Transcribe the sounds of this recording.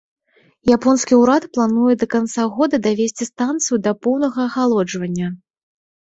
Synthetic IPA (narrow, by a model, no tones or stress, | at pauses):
japɔnskʲiuɾat̪plˠanujɛd̪ɐkant̪saɣɔd̪ɐd̪avʲesʲt͡sʲist̪ant̪sɨjud̪ɐpɔwnɐɣɐːɣalˠɔd͡ʐvɐnʲːɐ